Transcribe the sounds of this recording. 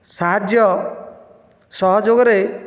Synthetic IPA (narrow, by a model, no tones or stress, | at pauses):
saɦad͡ʒjɔ | sɔɦɔd͡ʒoɡɔɾe